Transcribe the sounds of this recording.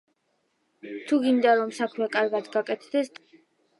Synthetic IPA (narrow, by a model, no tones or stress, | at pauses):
t̪ʰuɡind̪aɾɔmsakʰmɛkʼaɾɡad̪ɡakʼɛt̪ʰd̪̥ɛst̪